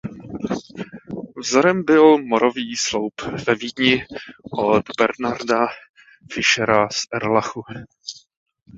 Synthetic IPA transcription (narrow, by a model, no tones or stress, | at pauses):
vzoɾɛmbɪlmoɾoviːslowpvɛviːd̪ɲɪʔod̪bɛɾnaɾda | fɪʃɛɾasʔɛɾlaxu